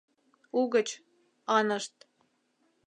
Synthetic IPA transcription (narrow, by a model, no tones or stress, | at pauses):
uɣə̆t͡ɕ | ɑnɤ̆ʃt̪̚